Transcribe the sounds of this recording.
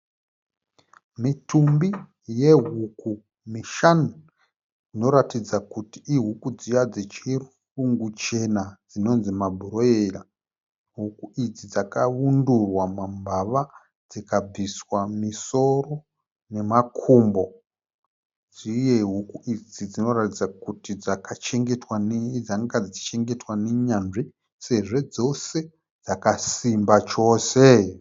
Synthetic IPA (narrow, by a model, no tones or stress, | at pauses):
mitʰumbi | je̞ɦuku | miʃanu | ino̞ɾatid͡zakutiiɦukud͡zijad͡zet͡ʃi | uŋɡut͡ʃe̞nad͡zino̞nzimabʱuɾo̞era | ɦukuid͡zid͡zakaundurwamambʱaʋa | d͡zikab͡viswamiso̞ro̞ | ne̞makʰuːmbo̞ | d͡zije̞ɦukuid͡zid͡zino̞ratid͡zakutid͡zakat͡ʃe̞ŋɡe̞twaned͡zaŋɡad͡zit͡ʃi̥t͡ʃe̞ŋɡe̞twaneɲanʐi | se̞ʐe̞d͡zo̞se̞ | d͡zakasimbat͡ʃo̞ːse